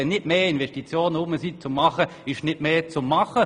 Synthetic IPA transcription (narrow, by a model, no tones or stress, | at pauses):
ɛnɪtmeːɪnvɛʃtit͡sjoːnəʊməsit͡sʊmːɑχəɪʃnɪtmeːt͡sʊmːɑχə